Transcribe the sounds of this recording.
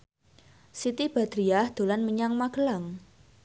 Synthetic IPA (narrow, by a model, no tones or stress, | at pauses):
sit̪ib̥a̤d̪̥ɾiahd̪̥o̤lanməɲaŋmaɡ̥əlaŋ